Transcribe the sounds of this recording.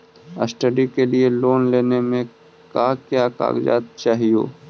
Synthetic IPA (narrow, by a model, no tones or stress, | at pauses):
əsʈəɖikelieloːnleːnemẽ | kaːkjaːka̰ːɡd͡ʒa̰ːt̪t͡ʃaːɦijo̰ː